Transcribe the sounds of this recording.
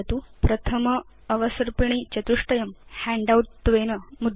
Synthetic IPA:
t̪uːpɾɐt̪ʰɐmɐː | ʋɐsɐɾpiɳ̃it͡ɕɐt̪uʂʈɐjɐmhæɳɖawʈ̚t̪ːʋenɐmud̪

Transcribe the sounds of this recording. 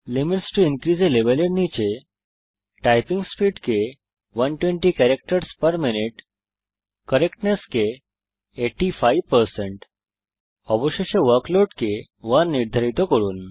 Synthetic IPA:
limiʈsʈuinkɾid͡zeleʋelenit͡ɕe | ʈajpiŋɡspiːɖke | ʋənʈʋẽɳʈikæɾek̚ʈəɾspəɾminiʈ | kəɾekʈneskeː | ʈːifajʋpəɾsẽɳʈ | ɔbɔɕeɕeʋəɾkloʈke | ʋaɾnːiɾd̪ʱaɾit̪əkəɾṵːn

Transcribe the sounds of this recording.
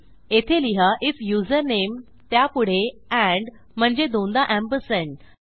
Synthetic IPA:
et̪ʰeliɦaʔit͡sjuzəɾnem | t̪japuɽ̤eæ̃ɳɖ | m̤əɳd͡ʑed̪õnd̪aʔæ̃mpəsə̃ɳ

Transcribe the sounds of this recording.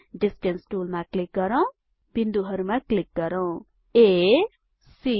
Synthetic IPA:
ɖisʈensʈulmaklik̚ɡʌɾaw̃ | b̥ind̪uɦʌɾumaklik̚ɡʌɾaw̃ | e | si

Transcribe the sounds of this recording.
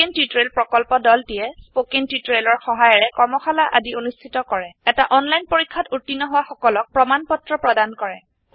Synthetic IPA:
intjutɹelpɹɔkɔlpɔdɔltijɛspokintjutɹelɔɹxɔɦajɔɹɛkɔɹmɔxʰalaʔadionustʰitɔkɔɹɛɛtaʔɔnlajnpoɹikʰːatutːinːɔɦʊwaxɔkɔlɔk̚pɹɔmanpɔtɹɔpɹɔdankɔɹɛ

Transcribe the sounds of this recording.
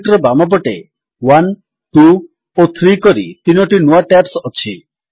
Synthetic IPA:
ʈɾɔbamɔb̬ɔʈe | wan | ʈu | ot̪ʰɾikɔɾḭt̪inɔʈinuaʈɛpsɔt͡ʃʰḭ

